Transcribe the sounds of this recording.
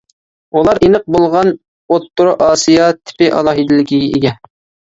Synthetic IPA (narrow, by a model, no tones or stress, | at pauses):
ulˠɑɾenɨq̚bolˠʁɑn | ot̪ːʊɾuʔɑːsijɑt̪ʰɪ̥pɪʔɑ̰lˠɑːɦid̪ɪlɪɡʲiɡʲɛʔeɡʲɛ